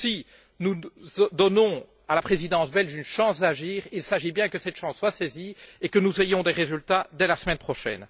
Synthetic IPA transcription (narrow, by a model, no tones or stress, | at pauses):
si | nuzd̪ɔnɔ̃ | alapχezid̪ɑ̃sbɛlʃynʃɑ̃sd̪aʒiːʁilsaʒibjɛ̃kəsɛt̪ʃɑ̃sːwaseziekənuzejɔ̃d̪eʁezylt̪ad̪ɛlasmɛnpχɔʃɛ̰n